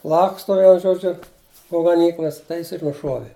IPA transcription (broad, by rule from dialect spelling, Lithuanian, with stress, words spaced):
ˈlˠɑːkstoː ˈʋʲiɛnʊ ˈʒoːd͡ʒʲʊ poː ɡɐˈnʲiːklˠɐs tɐɪ ˈjɪs ɪr nʊˈʃuɔʋʲɪ